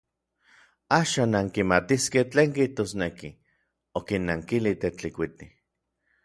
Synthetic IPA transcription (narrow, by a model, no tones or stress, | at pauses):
aːʃaːnːaŋkimat̪iskeht͡ɬeːŋkiht̪osneki | okinːaŋkilit̪et͡ɬikʷit̪i